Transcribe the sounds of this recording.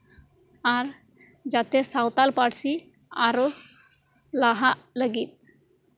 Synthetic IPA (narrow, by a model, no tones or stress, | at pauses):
aɾ | d͡ʒat̪ɛsawt̪alpaɽsi | a̰ɾo | laɦaʔləɡit̪̚